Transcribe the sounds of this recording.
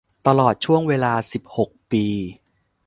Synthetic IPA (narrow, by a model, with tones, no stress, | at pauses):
t̪a˧lɔː˨˩t̪̚t͡ɕʰu˥˩əŋweː˧laː˧si˨˩p̚ho˨˩k̚piː˧